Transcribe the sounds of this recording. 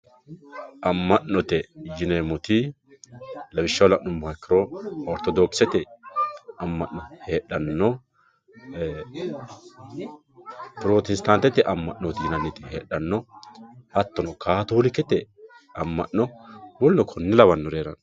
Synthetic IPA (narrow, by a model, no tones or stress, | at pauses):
ʔɐmːɐʔnːɔt̪ɛd͡ʒɪnemɔt̪ɪ | lɐwɪʃːɐwlɐʔnɔmaːkːɪɾɔɔɾt̪ɔd̪ɔːksɛt̪ɛ | ɐmːɐʔnɔheːᶑːɐnːɔ | pɪɾot̪ɛst̪ant̪ːɛt̪ːɪʔɐmːɐʔnɔt̪ɪjɪnɐnːɪt̪ɪheːᶑɐnːɔ | hɐt̪ːɔnɔkʰaːt̪ulɪkːɛt̪ːɛ | ɐmːɐʔːɔwɔlːɔkʰɔnːɪlɐβɐnːɔɾeːɾɐn